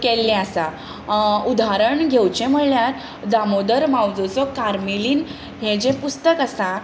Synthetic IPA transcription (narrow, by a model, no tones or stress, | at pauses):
kɛlːɛ̃əsa | ud̪aɾəɳɡʱewt͡ɕɛ̃m̤əɽljaɾ | d̪amod̪əɾmawd͡zɔt͡sɔkaɾmiliːn | ɦɛ̃d͡ʑɛ̃pust̪əkasã